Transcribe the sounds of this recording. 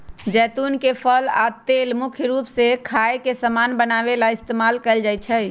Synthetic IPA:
d͡ʒɛt̪unkepʰəla̰t̪elmukʰjɾupsekʰaekesəmanbənabelaist̪emalkɛɪld͡ʒajt͡ʃʰəj

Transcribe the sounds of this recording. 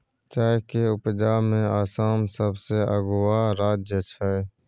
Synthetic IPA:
t͡ʃaːkeʊpd͡ʒaːmẽaːsaːmsəbseəɡʊwaɾaːd͡ʒjət͡ʃʰae

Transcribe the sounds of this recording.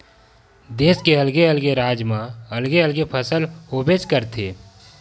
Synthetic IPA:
d̪eːskeəlɡeəlɡeɾaːd͡ʒmãɐlɡeəlɡepʰəsəloːbeskəɾt̪ʰeː

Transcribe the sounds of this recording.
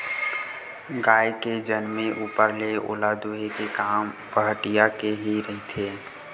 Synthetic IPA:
ɡaːeked͡ʒənmẽʔuːpəɾleo̰ːlad̪oːɦekekaːmpəɦʈijakeɦiɾəɦit̪ʰeː

